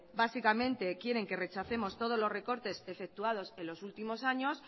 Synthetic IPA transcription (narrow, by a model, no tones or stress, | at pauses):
basikamẽ̞nt̪e̞kje̞ɾe̞ŋke̞re̞t͡ʃaθe̞mo̞st̪o̞ð̞o̞zlo̞zre̞ko̞ɾt̪e̞se̞fe̞k̚t̪uað̞o̞se̞lːo̞sult̪imo̞saɲo̞s